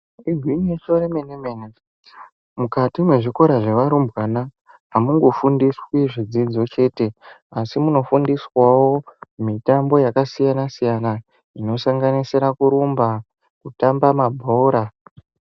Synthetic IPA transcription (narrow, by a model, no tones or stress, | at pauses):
iɡʱwiɲeʃoɾemenemene | mukatimwe̞ʐiko̞ɾaʐe̞ʋaɾumbwana | ɦamuŋɡo̞fundiswiʐid͡zid͡zo̞t͡ʃe̞ːte̞ | asimuno̞fundiswawo̞mitambo̞jakasijanasijana | ino̞saŋɡaniseɾakuɾumba | kutambamabʱo̞ːɾa